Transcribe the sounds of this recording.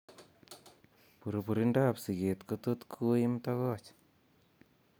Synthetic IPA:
pu˨ɾu˨pu˨ɾindapsi˨ɣe˨t̪kot̪ut̪kʰu˦imt̪aɣɔ˦t͡ʃ

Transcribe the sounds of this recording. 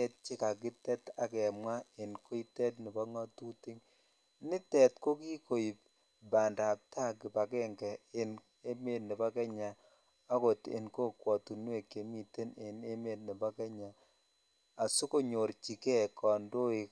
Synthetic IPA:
ɛ˦t̚t͡ʃi˦ka˨k̬ɪ˦tɛ˦ta˨kɛ˨mwa˦ɪ˨nko˦i˦tɛ˦tni˨bɔ˦ŋɔ˦tu˦ti˦ŋ | nɪ˦tɛ˨tko˦ki˦ko˨i˨p̚ | ba˨nda˨p̚ta˦˨kɪ˨pa˨kɛ˦ŋkɛ˨ɪ˨n | e˦me˦tni˨ba˦kɛ˦ɲa˨ | a˦ko˨tɪ̰˨nko˦kwɔ˨tu˨nwe˨ke˨mi˨te˦nɪ˨ne˦me˨t̚ni˨bɔ˦kɛ˦ɲa˨ | a˨su˦ko˦ɲo˨ɾt͡ʃi˨kɛ˦kɔ˨ndo˦i˨

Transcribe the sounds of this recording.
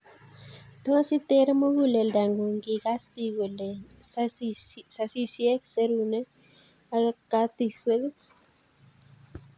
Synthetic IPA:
t̪o˦si˦t̪e˦ɾmo˦ɡu˨le˨lda˨ŋɡo˨ŋɡi˨ɡa˦spi˧ɡu˨le˨ | sa˧si˦sje˦kse˧ɾu˧˨ne˦ | a˧ɡa˦kːa˦t̪i˧swe˦ɡ

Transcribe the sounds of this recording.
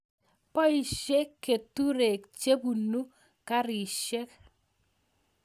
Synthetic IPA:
pɔ˦i˨ʃe˦kːe˨tu˦ɾe˨k̚t͡ʃe˦bu˨nu˦ | ka˦ɾi˨ʃe˦k

